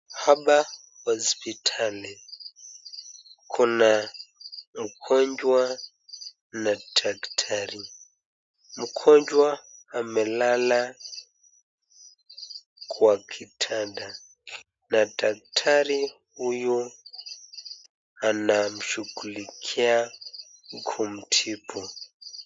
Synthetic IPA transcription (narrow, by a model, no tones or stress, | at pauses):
haɓa | hɔspitʰali | kʰuna | m̩kʰɔɲd͡ʒwa | nadaktʰaɾi | m̩kʰɔɲd͡ʒwaːmɛlala | kʰwakʰitʰada | natak̚tʰaɾihuju | anam̩ʃuɡulikʰia | ɡʰum̩tʰipʰɔ